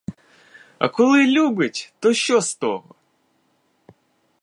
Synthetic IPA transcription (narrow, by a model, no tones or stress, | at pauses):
ɐ̰kɔlˠɨlʲubʲɪtʲt̪ɔɕːɔst̪oɦɔ̰